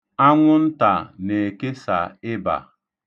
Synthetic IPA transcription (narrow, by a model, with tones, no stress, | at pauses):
a˦ŋʷʊ˦n̩˦ta˨ne˨ke˦sa̰˨ɪ˦ba̰˨